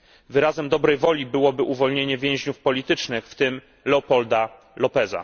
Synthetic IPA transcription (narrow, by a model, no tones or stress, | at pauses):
vɘɾazɛmd̪ɔbɾɛjvɔlʲibɘwɔbɘʔuvɔlɲeɲɛvʲjɛ̃w̃ʑɲufpɔlʲit̪ɘt͡ʂnɘxft̪ɘm | lɛɔpɔld̪a | lɔpɛza̰